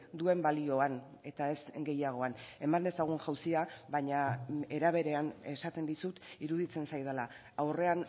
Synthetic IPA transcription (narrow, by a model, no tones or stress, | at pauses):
d̪ue̞mbalio̞an | e̞t̪ae̞zɡe̞jaɣ̞o̞ane̞mand̪e̞saɣ̞unʝawsiaβaɲae̞ɾaβ̞e̞ɾe̞ane̞sat̪e̞nd̪isut̪iɾuðit͡se̞nsajðala | awre̞an